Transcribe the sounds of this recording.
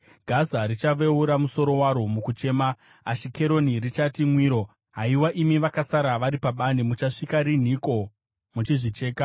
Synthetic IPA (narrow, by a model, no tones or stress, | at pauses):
ɡʱazaɾit͡ʃaʋe̞uɾamuso̞ɾo̞waɾo̞mukut͡ʃe̞ːmaː | ʃike̞ɾo̞nirit͡ʃatimwiːɾo̞ | ɦaiwaʔimiʋakasaɾaʋaɾipaɓanemut͡ʃaʂikaɾin̤iko̞ | mut͡ʃiʐit͡ʃe̞ːka